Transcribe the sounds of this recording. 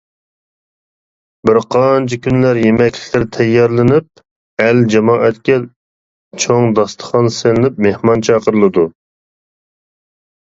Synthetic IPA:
bɪɾqʰɑnt͡ʃʰɪkʲʰynlæɾjemɛkʲlɪ̥kʲlɪɾt̪ʰɛjːɑɾlˠɪnɪp̚ | ɛld͡ʒɛmɑːʔɛt̪kʲɛ | t͡ʃʰoŋd̪ɑst̪ʰə̥χɑnselɪnɪp̚mehmɑnt͡ʃʰɑːqəɾɨlˠɨd̪u

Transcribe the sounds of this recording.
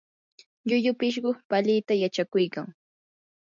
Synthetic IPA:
ʎʊʎʊpɪʃ̬ɢʊpalɪt̪ajat͡ʃakʊjkaŋ

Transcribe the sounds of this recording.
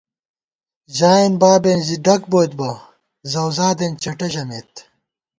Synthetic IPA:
ʑaːinbaːbenziɖɐk̚boːt̪bɐ | zɐwzaːd̪ent͡ɕɐʈɐɕɐmeːt̪

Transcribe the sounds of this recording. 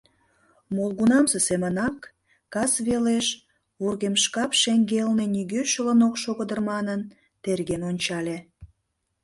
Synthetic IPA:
molˠɣunɑmsesemənɑkː | ɑsβeleʃ | βurɣemʃkɑpʃeŋɡelneniɣøʃələnokʃoɣəd̪ərmɑnən | t̪erɣenonʲt͡ɕɑlʲe

